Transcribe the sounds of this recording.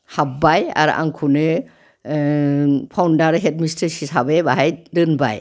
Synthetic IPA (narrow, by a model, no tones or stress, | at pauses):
hap̚baja̰ɾuʔa̰ŋkʰunɯ | pʰawndaɾɦet̚mistʰɯsisabebaɦajdɯnba̰j